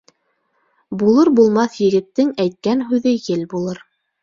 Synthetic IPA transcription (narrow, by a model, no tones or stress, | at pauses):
bulˠɤɾbulˠmɑθjɘ̆ɡɘ̆t̪ːɘŋæjt̪̚kænɦʉðɘjɘlbulˠɤɾ